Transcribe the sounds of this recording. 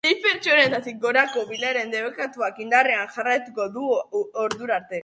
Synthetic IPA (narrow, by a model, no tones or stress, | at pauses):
ife̞ɾt͡ʃionet̪at̪ik̚ɡo̞ɾako̞βilaɾe̞nd̪e̞βekat̪uakind̪areanʝarajt̪uko̞ðuoɾðuɾaɾt̪e̞